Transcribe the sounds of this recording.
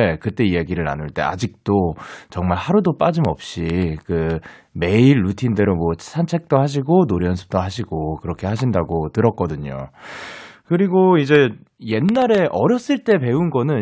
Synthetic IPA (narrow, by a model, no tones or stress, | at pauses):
ekɯt͈e̞ijeɡiɾɯɾa̰nuɭt͈e̞̰a̰d͡ʑik̚t͈ot͡ɕʌŋmaɭhaɾudop͈ad͡ʑimʌp̚ɕ͈ikɯ | me̞iɭːutʰindeɾomwʌsʰant͡ɕʰe̞k̚t͈ohaɕ̬ʰiɡonoɾjʌnsʰɯ̥p̚t͈oɦaɕ̬ʰiɡokɯɾʌkʰe̞ɦaɕʰindaɡotɯɾʌk͈ʌdɯɲo̰ | kɯɾiɡoid͡ʑe̞ | je̞nːaɾe̞ʔʌɾjʌs͈ɯɭt͈e̞pe̞unɡʌnɯn